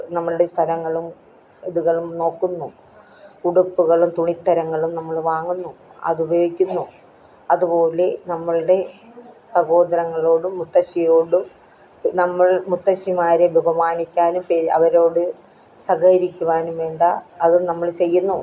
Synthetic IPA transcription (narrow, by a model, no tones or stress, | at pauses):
nɐmːɐɭuɽe̞st̪ʰɐlɐŋːɐɭum | eðuɣɐɭumno̞ːkːunːu | kuɽɐpːuɣɐɭumt̪uɳit̪ːɐɾɐŋːɐɭumnɐmːɐɭʋaːŋːunːuɐ̰ðubɐjoːɡikʲːunːu | ɐðupo̞ːle̞nɐmːɐɭuɽe̞ | sɐɣo̞ːd̪ɐɾɐŋːɐɭo̞ːɽɨmut̪ːɐɕijo̞ːɽɨ | nɐmːɐɭmut̪ːɐɕimaːɾebʱebɐmaːnikʲːaːnumpeːɐ̰ʋɐɾo̞ːɽɨ | sɐɣɐɾikʲːuʋaːnumʋeːɳɖɐːðɨnɐmːɐɭt͡ɕe̞jːunːu